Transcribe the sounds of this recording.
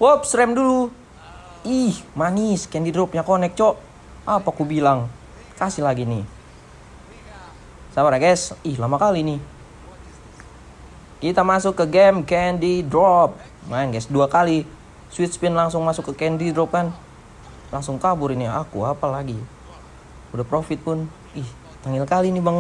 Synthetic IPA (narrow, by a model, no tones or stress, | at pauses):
pɔp̚sɾɛmdulu | ihmaniskɛndidɾɔp̚ɲakonɛk̚t͡ʃɔʔ | apakubilaŋ | kasihlaɡinih | sabaɾaɡɛsihlamakalinih | kit̪amasʊkːəɡɛmkɛndidɾɔp̚ | manɡɛsduakali | swit̪spɛnlaŋsʊŋmasʊkːəkɛndidɾɔp̚kan | laŋsʊŋkabʊɾiniakuapalaɡi | udapɾofɪt̪̚pʊn | ih | t̪aŋilkalinibaŋ